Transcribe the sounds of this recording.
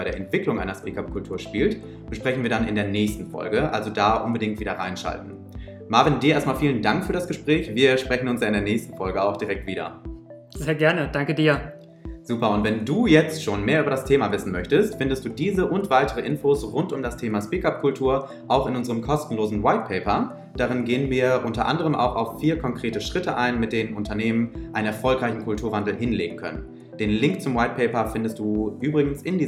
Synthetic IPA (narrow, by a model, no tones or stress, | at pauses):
aɪdɾeːɐɛntv̥ɪklʊŋʔaɪnɐspiːkap̚kʰʊltʰuːɐʃpiːlt | b̥əʃpʁ̥ɛçn̩viːɐdanɪ̰ndeːɐnɛːçstn̩fɔ̰lɡəʔa̰lzodaːʔʊnbədɪŋktviːdɐʁa̰ɪnʃa̰ltn̩ | maːɐvɪndiɐʔeɐstmaːlfiːləndaŋkfyːɐɾasɡ̥əʃpʁ̥ɛːçv̥iːɐʃpʁ̥ɛçn̩ʊnsjaːɪndeːɐnɛːçstn̩fɔlɡəaʊxd̥iʁɛk̚tv̥iːɾɐ̰ | z̥eːɐɡɛɐnəd̥aŋkədiːɐ | z̥uːpɐʊntv̥ɛnduːjɛt͡stʃoːnmeːɐʔyːbɐdastʰeːmavɪsn̩mœçtəstfɪndəstd̥uːdiːzəʔʊntv̥aɪtəʁəʔɪnfosʁʊntʊmdastʰeːmaʃpiːkap̚kʰʊltʰuːɐ | ʔaʊxɪnʔʊnzəʁəmkʰɔstn̩loːzn̩waɪt̚pʰɛɪpɐ | d̥aːʁɪnɡeːənviːɐʔʊntɐʔa̰ndəʁ̞əmʔa̰ʊxa̰ʊfːiːɐkʰɔŋkʁ̥eːtəʃʁ̥ɪtəʔaɪnmɪt̚d̥eːnənʔʊntʰɐneːmənʔʔaɪnənɛɐfɔlkʁaɪçn̩kʰʊltʰuːɐvandl̩ɦɪnlḛːɡŋ̩kʰœ̰nən | d̥eːnlɪŋk̚t͡sʊmwaɪt̚pʰɛɪpɐfɪndəstd̥uːʔyːbʁɪɡn̩sɪndiː